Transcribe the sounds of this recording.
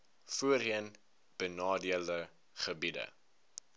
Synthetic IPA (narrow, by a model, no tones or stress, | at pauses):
fuərɦiən | b̥ənɑːdiəlˠdə | χəbidə̰